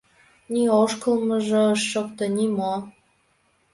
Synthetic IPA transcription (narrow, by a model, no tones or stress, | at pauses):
nioʃkəlmə̆ʒə̆ːʃːok̚t̪ɤnimo